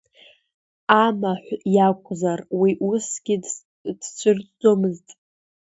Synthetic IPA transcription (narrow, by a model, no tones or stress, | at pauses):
amaħʷjakʷʰʼzarwiʔusɡ̥ʲi | d̥t͡sʷʰʼɨrd͡zomɨztʼ